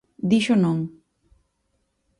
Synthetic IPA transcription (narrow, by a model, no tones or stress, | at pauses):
d̪iʃonom